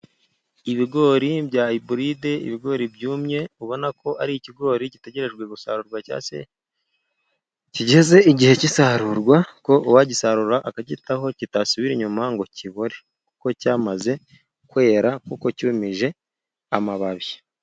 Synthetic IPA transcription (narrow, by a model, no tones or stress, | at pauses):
iβiɡo̞ːɾibjaːibuɾide̞ḭβiɡo̞ːɾibjuːmɲe̞uβo̞nakʰo̞aɾiiciɡo̞ːɾicite̞ɟe̞ɾe̞ʒɡwe̞ɡusa̰ɾuɾɡwaca̰ːsḛ | ciɟe̞ze̞iɟihe̞cisaɾuɾɡwako̞ʔuwaɟisaɾuɾaʔakaɟitaɦo̞citasuβiɾiɲumaŋɡo̞ciβoɾe̞ | ku̥ko̞caːmaze̞ | kwe̞ːɾakuko̞cumiʒe̞ | amaβaβji